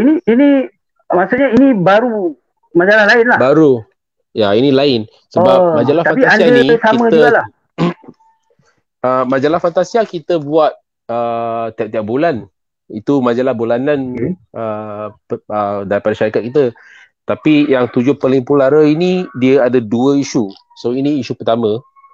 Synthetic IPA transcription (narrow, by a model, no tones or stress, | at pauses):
iniːni | masuɲainibaɾu | mad͡ʒalahlaɪnlahbaɾu | jainĩlaɪn | səbapmãd͡ʒalaht̪afanpiasianisaimə̃d͡ʒuəɡla | əmãd͡ʒalahfant̪asiakit̪əbuat̪̚ | ət̪iap̚t̪iak̚bulan | ḭt̪umãd͡ʒalahbulananʔə | ədaɾipadaʃaɾikat̪̚kit̪ə | t̪apijaŋt̪ud͡ʒʊhpəliŋpulaɾainidiəadəduəiʃu | soiniːʃupət̪amə̃